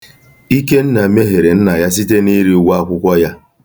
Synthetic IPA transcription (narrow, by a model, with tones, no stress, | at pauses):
i˦ke˦n̩˦na˨me˦ɦe˨ɾe˨n̩˦na˨ja˦s̬i˦te˦ni˦ɾi˦˨˦wa˦kʷʊ˦kʷɔ˦ja˦